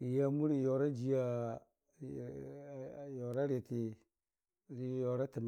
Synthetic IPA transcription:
i˨ja˦mu˦ɾi˨jo˨ɾa˦d͡ʒi˦ja˨ | jo˨ɾa˦ɾe˨ti˨ | ɾi˦jo˨ɾa˦ti˨m˦

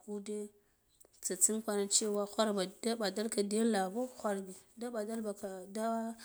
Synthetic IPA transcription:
ku˦de˦ | t͡sa˨t͡si˦nkʷa˦na˨t͡ʃe˦wa˦xʷa˦ɾba˨da˦ɓa˨da˦lka˨de˦la˨bo˦xʷa˦ɾbi˨da˦ɓa˨da˦lba˨ka˨da˦

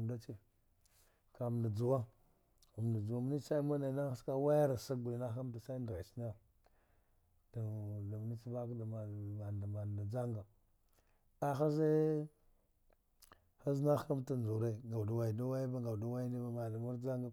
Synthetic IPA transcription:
mda˦t͡ʃe˦ | ka˨m˨na˨d͡zu˨wa˦ | a˨m˨na˨d͡ʒu˨wa˦m˦ni˦sa˦i˦ma˦na˨˦na˦a˦ska˦wa˦ja˦ɾa˨sa˦ɡu˨i˨na˦xa˦mt̬a˨sa˦i˦ndɣa˨t͡ʃi˦na˦ | ta˨da˨m˨ni˦t͡ʃi˦ba˦kda˨ma˨a˨da˨ma˨da˨d͡za˦ŋɡa˨ | a˦xa˦ze˦ | xa˦zna˦xa˦mta˦n˨u˨ɾe˦ɡa˨wda˨wa˨i˨da˦wa˦jba˦ɡa˨wda˦wa˦ji˦ni˦ba˦ma˨da˨mu˦ɾd͡ʒa˦ŋɡa˨

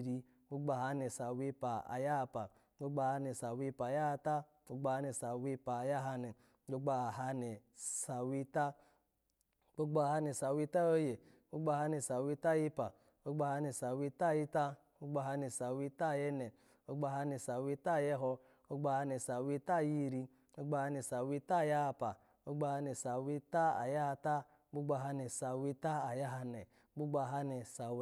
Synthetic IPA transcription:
ɾi˧ | wo˦ɡ͡ba˧˨ɦa˧˦nɛ˨sa˨wi˦˧˦pa˨a̰˨ja˦˧pa˨˦ | o˦ɡ͡ba˧˨ha˧nɛ˨sa˨wi˧˦pa˨ja˦˧ta˦ | o˦ɡ͡ba˧ha˧nɛ˨sa˨wi˧pa˨ja˦ɦa˧nɛ˨˦ | o˦ɡ͡ba˧˨ɦa˧nɛ˨sa˨wi˧ta˦ | k͡po˦ɡ͡ba˧˨ha˧nɛ˨sa˨wi˦˧˦ta˦o˦je˨ | o˦ɡ͡ba˧˨ha˧nɛ˨sa˨wi˧˦ta˦˨ji˧˦pa˨ | o˦ɡ͡ba˧ha˧nɛ˧˨sa˨wi˧˦ta˦˨ji˦ta˦ | o˦ɡ͡ba˧˨ɦa˧nɛ˨sa˨wi˧˦ta˦˨jɛ˧nɛ˨ | o˦ɡ͡ba˧ɦa˧nɛ˨sa˨wi˧˦ta˦˨jɛ˧ɦɔ˧ | o˦ɡ͡ba˧˨ha˧nɛ˨sa˨wi˧˦ta˦˨ji˦˨˧ɾi˧ | o˦ɡ͡ba˧ha˧nɛ˨sa˨wi˧˦ta˦˨ja˦a˧pa˨ | o˦ɡ͡ba˧ha˧nɛ˨sa˨wi˦ta˦a̰˨ja˦ha˧ta˦ | k͡pu˦ɡ͡ba˧˨ɦa˧nɛ˨sa˨wi˧˦ta˦a˨ja˦ɦa˧nɛ˨˦k͡pu˦ɡ͡ba˧˨ɦa˧nɛ˨sa˨˧

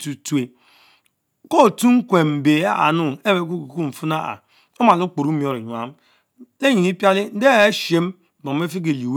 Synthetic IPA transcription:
tu˨tu˦e˨ | ko˦˨tu˦ŋ̩˦kʷe˨m̩˨be˨a̰˦a̰˨nu˦e˦be˦k̬u˦ku˨ku˦m̩˨fu˦na˦a̰˨ | o˦ma˨lu˦k͡po˨ɾu˦mi˨o˦˨ɾi˨ɲ˨a˨˦m˦ | le˦ɲi˨ni˦pja˦li˦n̩˦de˦e˦ʃe˦m˦˨ | bo˨˦e˦fi˦k̬e˨li˨w

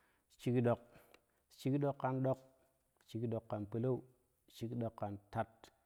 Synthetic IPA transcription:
t͡ʃi˦kɗo˨k̚ | t͡ʃi˦kɗo˦kːa˦nɗo˦k̚ | t͡ʃi˨kɗo˨kːa˨npə˨la˦u˨ | t͡ʃi˦kɗo˨kːa˨nta˦t̚

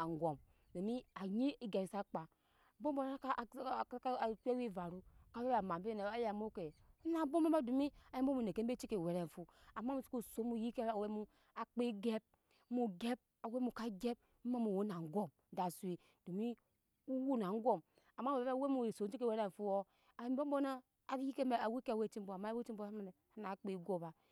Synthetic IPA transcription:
a˨ŋ˨ɡʷo˨m | do˨mi˦a˨ɲi˦i˦ɡe˨sa˦k͡pa˨˦ | bo˦m˦bo˦ka˦˨˦ | ke˦wi˦˨va˨ɾu˦˨ka˦we˦ba˨ma˨m˦i˦ne˨a˦ja˨mo˦ke˨˦na˦˨˦bo˦m˦e˦a˦du˨mi˦a˨ji˦o˦mu˨ne˨ke˦m̩˦be˦t͡ʃi˦ke˨we˨ɾe˨ɱ˨fu˦a˨ma˦mu˨˦t͡ʃi̥˦ku˦so˨˦mu˨ji˦ke˦a˨we˦mu˦ | a˨k͡pe˦ɡe˦b̚ | mu˨ɡe˦b̚ | a˨we˦mu˨ka˦ɡe˦b̚ | m̩˦ma˦mu˨wo˦na˨ŋ̩˦ɡo˦m | da˨su˨i˨ | d̥u˨mi˦ | u˦wu˦na˨ŋ˦ɡo˦m | a˨ma˦e˨be˦a˦we˦mu˨so˨˦t͡ʃi˦ke˨we˦ɾe˨ɱ̩˨fu˦o˦ | a˨e˨˦m˦bo˦m˦bo˦na˦ | a˨˦ji˦ke˦˨a˨wi˦ke˦a˨we˦˨t͡ʃi˦m˦bo˨ma˦e˦i˦m˦bo˦a˦a˨n˨ | a˦na˨˦k͡pi˦ɡo˦ba˨

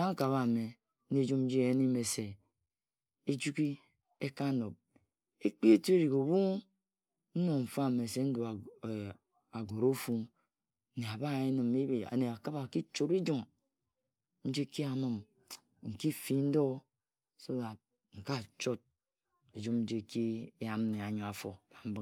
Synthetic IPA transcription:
a˦ŋ̩˦ka˨βa˨me˨˦ | e˦d͡ʒu˦m̩˦d͡ʒi˦e˨je˦ni˦me˨se˨ | e˦d͡ʒu˦ki˦ | e˦ka˦no˨p̚ | e˦k͡pi˦e˦ti˦e˦ɾi˨ko˨bu˦ | n̩˦no˨ɱ̩˨fa˦˨me˨se˦n̩˦du˨ | a˨ɡo˨ɾo˦fu˦˨ | ne˨a˨ba˦˨e˦nɨ˨mi˦˨a̰˨ne˨a˨ka˦ba˨ki˦t͡ʃo˨ɾi˦d͡ʒo˦m | n̩˦d͡ʒe˦ki˦a˨mɨ˦m | ŋ̩˨ki˦fi˨n̩˦do˦˨ | so˦a˨ | ŋ̩˨ka˦˨t͡ʃo˦t̚ | e˨d͡ʒu˦mn̩˦d͡ʒe˦ki˦e˦ja˨m˦ne˨a˨ɲo˨a˨fo˨ba˨m̩˦bɨ˦

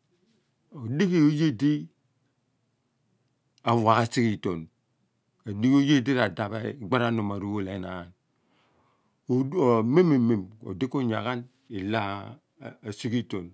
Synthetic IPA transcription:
o˨di˦ki˦˨o˨˦je˦˨di˦ | a˨wa˨ɣa˨si˦ki˦to˨n | o˨di˦ko˦je˦˨de˦ɾa˨da˨bḛ˨ɡ͡ba˦ɾa˦no˨ma˨ɾu˦˨wo˦le˨˦na˨a˨n˨ | me˦me˨me˨mo̰˨de˦ko˦ɲa˨ɣa˦n | i˨la˦˨ | si˦ki˦to˨n

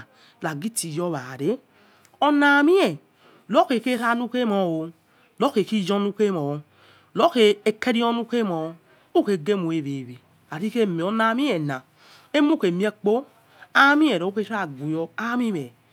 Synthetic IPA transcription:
la˨ɡi˦ti˨jɔ˦βa˨ɾe˦ | o˧na˨mi˦ɛ˨ | lo˦ke˨ke˦ɾa˦˨nu˦ke˦mɔ˨o˨˧ | lo˦ke˨ki˦d͡ʒɔ˦nu˦ke˦mɔ˨ | lo˦ke˨e˨ke˦ɾi˦ɔ˦nu˦ke˦mɔ˨˧ | u˦ke˧˨ɡe˦mo˨e˨βe˨βe˨ | a˨ɾi˦ke˦m˨o˨na˨mi˦ɛ˨nã˨ | e˦mu˦ke˨mi˦e˦k͡po˦ | a˦mĩ˦ɛ˨ɾo˨˦o˦ke˦ɾa˦˨ɡu˨jɔ˧a˦mi˦mɛ˨

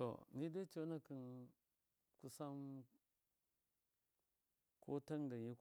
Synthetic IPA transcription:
to̰˨ni˦de˦t͡ʃo˦na˦ki˨n | ku˨sa˦m | kʰo˦ta˦ŋɡa˨i˦

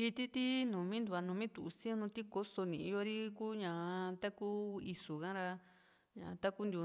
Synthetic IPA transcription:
i˧t̪i˦t̪i˦nũ˨mĩ˦nd̪u˧a˧nũ˨˧mĩ˦t̪u˨u˧sĩ˦õ˦˧nũ˧t̪i˦ko˦so˧nĩ˨i˧jo˧ɾi˦ku˦ɲã˨t̪a˦ku˦i˧su˨kã˦ɾa˧ | ɲã̰˨t̪a˦ku˦nd̪u˧

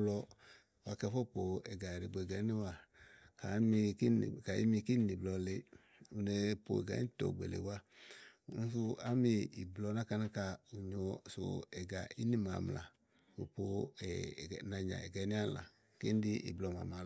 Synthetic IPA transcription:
lɔ˧˨ | wa˨kɛ˧fɔ˦˨po˨ɛ˨ɡa˨ɾi˨ɡ͡bɡɛ˨˦ni˦wa˨ka˨˦mi˧i˦˨ka˨ḭ˦mi˧ki˦ni˨blɔ˧le˧ | u˧ne˧po̰˨ɛ̰˨ɡa̰˨i˦tɔ̰˨ɡ͡bḛ˨lḛ˨wa˦ | n˦su˧a˦mi˧i˨blɔ˧na˦ka˧na˦ka˧u˨ɲo˧so̰˨ɛ˨ɡa̰˨i˦ni˦ma̰˨m˨la̰˨ | fo̰˨po˧ɛ˨na˧ɲa̰˨ɛ̰˨ɡɛ˨˦ni˦a˦la̰˨ | ke˦n˦di˦ʔḭ˨blɔ˨˧ma̰˨ma˨˦

